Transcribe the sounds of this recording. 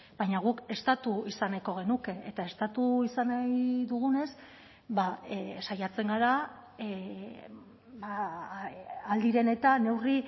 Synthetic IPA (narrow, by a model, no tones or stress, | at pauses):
bajɲaɣ̞uke̞st̪at̪uisanako̞ɣ̞e̞nuke̞ʔet̪ae̞st̪at̪uisanajðuɣ̞une̞s | basajat͡se̞ŋɡaɾa | ba | ald̪iɾe̞ne̞t̪ane̞wri